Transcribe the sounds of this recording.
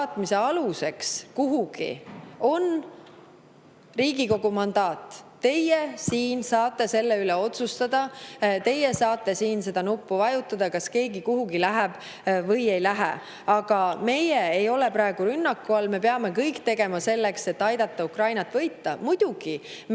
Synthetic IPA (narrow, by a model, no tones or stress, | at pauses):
t̪mise̞ɑluse̞kskuɦuɡ̥ḭo̞n | riːɡiko̞ɡ̥umɑnd̪ɑːt̪ˑː | e̞jesiːnsɑːt̪ːˑe̞se̞lːe̞yleo̞t̪sust̪ɑd̪̥ɑt̪e̞je̞sɑːt̪ˑːe̞siːnse̞d̪̥ɑnupːuvɑjut̪ːˑɑd̪̥ɑkɑske̞ːɡikuɦuɡilæɦɛb̥ | vɤ̞je̞jlæɦḛ | ɑɡ̥ɑme̞jeejo̞le̞pɾɑeɡ̥uɾynːɑkːuɑlme̞pe̞ɑme̞kɤjkt̪e̞ɡ̥e̞mɑse̞lːe̞kse̞t̪ːɑjd̪̥ɑt̪ːɑukrɑjnɑt̪ːˑvɤ̞jt̪ːɑmujd̪̥uɡ̥im